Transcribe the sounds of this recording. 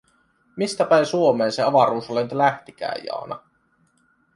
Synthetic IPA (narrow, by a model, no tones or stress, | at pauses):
mist̪æpæinsuomeːnseɑʋɑɾuːsolenyt̪læht̪ikæ̰ːjɑ̰ːnɑ̰